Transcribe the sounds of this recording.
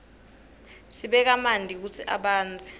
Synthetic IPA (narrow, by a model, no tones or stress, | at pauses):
siɓɛk̬amandʱik̬ut͡sʰiʔa̰ɓaːnd͡zʱi